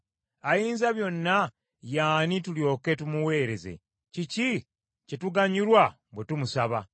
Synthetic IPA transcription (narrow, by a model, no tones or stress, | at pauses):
ajiːnzaβjo̞nːa | jaːnituljo̞ːke̞tumuwe̞ːɾe̞ze̞̰ | cici | cetuɡaɲuɾwa | bwe̞tumusaβa